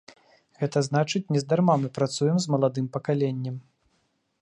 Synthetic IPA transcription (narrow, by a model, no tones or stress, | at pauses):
ɣɛt̪ɐzn̪at͡ʂɨt͡sʲnʲɛzd̪armamɨpɾat̪sujɛmzmɐlˠad̪ɨmpɐkalʲenʲːɛm